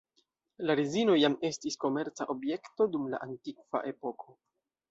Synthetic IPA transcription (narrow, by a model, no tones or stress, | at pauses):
laɾizino̞jame̞stisko̞me̞ɾt͡sa̰ʔo̞bje̞kto̞dumla̰ʔantikv̥a̰ʔe̞po̞kʰo̞